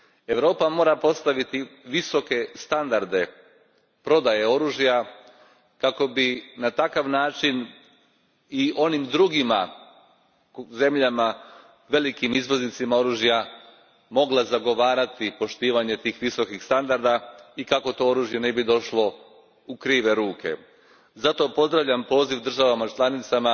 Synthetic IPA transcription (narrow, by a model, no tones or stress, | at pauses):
e̞ʋɾo̞ːpamo̞ːɾapo̞st̪aʋit̪iʋiso̞ke̞st̪and̪aɾd̪e̞ | pɾo̞d̪ajeo̞ɾuːʒija | kako̞binat̪akaʋnaːt͡ʃin | iʔo̞nimd̪ɾuɡima | ze̞mʎama | ʋe̞likimizʋo̞znit̪simao̞ɾuːʒija | mo̞ɡlˠazaɡo̞ʋaːɾat̪ipo̞ʃt̪iːʋaɲe̞t̪iːxʋiso̞kixst̪and̪aɾd̪aikako̞t̪o̞ːo̞ɾuːʒje̞ne̞bid̪o̞ʃlo̞ | ukɾiːʋe̞ɾuːke̞̰ | zat̪o̞po̞zd̪ɾaʋʎampo̞ːziʋd̪r̩ʒaʋamat͡ʃlanit̪sama